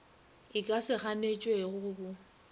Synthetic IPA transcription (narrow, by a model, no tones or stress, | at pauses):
ɪkʼasɪχanet͡ʃʼweɣʊbʊ